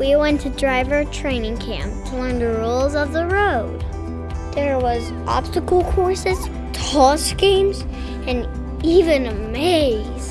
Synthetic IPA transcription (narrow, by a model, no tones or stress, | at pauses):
wiwɛ̃ntʰɨdɹaɪvə˞tʰɹ̥ẽɪ̃nɪ̃ŋkʰæ̰̃mp̚tʰəlɜ̃nðəɹolˠzʌvðəɹoʊd̥ | ðə˞wʌz | ʔɑ̰b̥stəkl̩ˠkʰɔɹsɨz̥ | tʰɔskĩmz | ɨ̃n | ivɨ̃nəmeɪz̥